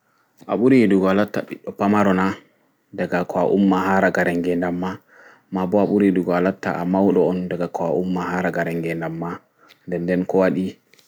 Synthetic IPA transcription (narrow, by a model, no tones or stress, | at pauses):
ʔa̰ɓuɾiduɡɔalatːa̰ɓḭɗːɔpamaɾɔna | daɡakʰɔaʔumːaɦaːɾaɡaɾɛŋɡɛndamːa | mabɔaɓuɾiduɡɔalatːa̰ʔamawɗɔɔndaɡakɔaʔumːaɦaːɾaɡaɾɛŋɡɛndamːa | ndɛndɛnkɔwaɗi